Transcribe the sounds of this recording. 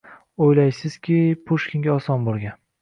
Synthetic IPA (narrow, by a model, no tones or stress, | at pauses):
ojlajsɪz̥kʲɪpʰʊʃkʲʰɪŋɡʲaɒsɒnboɾˠɡʲan